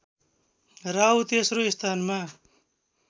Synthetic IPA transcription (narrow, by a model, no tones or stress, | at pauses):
ɾawt̪esroist̪ʰanma